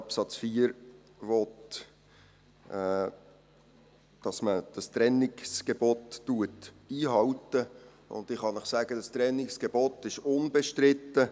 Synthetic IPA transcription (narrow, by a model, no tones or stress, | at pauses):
ɑpsɑt͡sfiːəɾ | ʋɔt | d̥ɑsməd̥ɑst̪ɾɛnɪksɡ̥ebɔttuət | iːɦɑwtə | ʊ̰nd̪ɪχhɑnəχsæɡ̥ədɑst̪ɾɛnɪksɡ̥eb̥ɔt̪ɪʃʊnb̥ɛʃtɾɪtːə